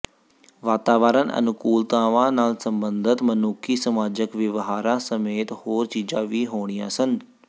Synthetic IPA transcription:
ʋaːt̪aːʋəːɾənʔɐ̰nʊkuːlt̪ãːʋãːnaːlsɐ̃mbə̃nd̪ʱət̪mɐnuːkʰisɐmaːd͡ʒəkʋɪʋɦaːɾãsɐmeːt̪hoːɾt͡ɕiːd͡ʒãʋiɦoːɽ̃ijãsən

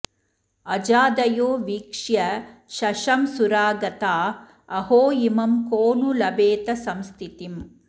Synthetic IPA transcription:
ɐd͡ʒaːd̪ɐjoːʋiːkʂjɐʃɐʃɐmsuɾaːɡɐt̪aː | ɐhoːjimɐmkoːnulɐbeːt̪ɐsɐmst̪ʰit̪im

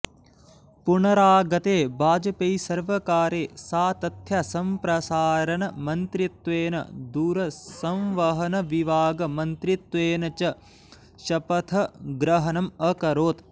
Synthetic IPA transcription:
puɳɐɾaːɡɐt̪eːbʱaːd͡ʒɐpejsɐɾʋɐkaːɾeːsaːt̪ɐt̪ʰjɐsɐmpɾɐsaːɾɐnɐmɐnt̪ɾit̪ʋeːnɐ̰d̪uːɾɐsɐ̃mʋɐɦɐnɐʋiʋaːɡɐmɐnt̪ɾit̪ʋeːnɐt͡ʃɐ | ʃɐpɐt̪ʰɐɡɾɐɦɐnɐmɐkɐɾoːt̪

